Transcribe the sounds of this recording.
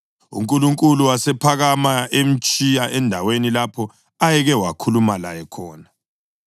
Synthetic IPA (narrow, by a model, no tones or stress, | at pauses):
ṵŋkʼuluŋkʼuluwasɛpʰaɣamaʔem̩t͡ʃʼijaʔɛndʱawenilapʰɔ | ajɛɣɛwakʰulumala̰jɛkʰɔːna